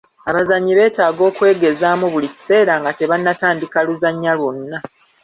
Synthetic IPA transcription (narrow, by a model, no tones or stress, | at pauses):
aβazaɲːiβe̞ːtaːɡo̞ːkwe̞ːɡe̞zaːmuβulici̥se̞ːɾaŋɡate̞βanːataːndikaluzaɲːalwo̞nːa